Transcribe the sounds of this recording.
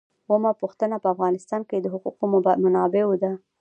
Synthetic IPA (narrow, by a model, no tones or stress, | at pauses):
wəmapuxt̪ənapəafɣɑnɪst̪ɑnked̪əɦʊquqomanɑbewod̪a